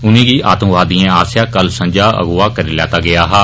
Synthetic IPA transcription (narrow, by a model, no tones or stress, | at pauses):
ʊnĩːɡiːʔʔa̰ːt̪ũːʋaːd̪ĩẽːaːsjaːkəlsə̃ɲd͡ʒaːʔə̰ɡʊːaːkəɾiːlɛ̰ːt̪aːɡɪjaːɦaː